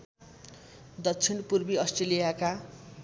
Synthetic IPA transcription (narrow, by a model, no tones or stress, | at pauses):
d̪ʌtt͡sʰinpurbiʌsʈrelijaka